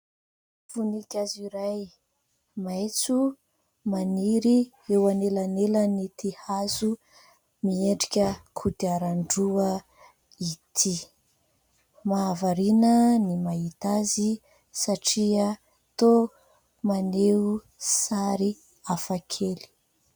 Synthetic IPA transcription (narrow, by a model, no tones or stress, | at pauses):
funikʲaziɾaj | mejt͡su | maniɾi | ewanelanelənit̪ʰihazu | mieɳɖ͡ʐikʲəkʰud̪iaɾaɳɖ͡ʐuə | it̪ʰi | maːvaɾinənimaɦit̪azi | saʈ͡ʂiə | t̪o | maneu | saɾi | afakʰeli̥